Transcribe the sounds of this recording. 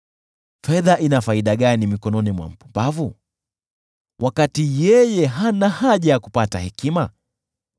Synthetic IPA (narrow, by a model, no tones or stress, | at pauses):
fɛðaʔinafaiɗaɠanimikɔnɔnimwa̰m̩pavu | wʔakatijɛjɛɦanahaʄajakupata̰hɛkima